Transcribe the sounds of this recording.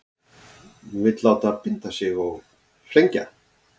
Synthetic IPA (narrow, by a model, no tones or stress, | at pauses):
nuvɪt̪laːwt̪aːðpɪnt̪asjɛɣɔɣ | fɾejɲca